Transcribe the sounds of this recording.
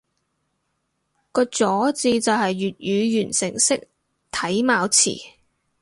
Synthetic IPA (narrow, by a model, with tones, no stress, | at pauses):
kɔː˧t͡sɔː˨˥t͡siː˧t͡sɐ˨whɐ˨jːyː˨t̚jyː˨˧jyː˨˩nsɪ̰˨˩ŋsɪ˥k̚ | t̪ʰɐ˨˥jmaː˨˧wt͡sʰḭː˨˩